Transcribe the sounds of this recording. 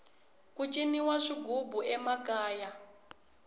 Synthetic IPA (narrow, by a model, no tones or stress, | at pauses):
kut͡ʃʼiniwaʂiɡʱubuʔɛmakaːja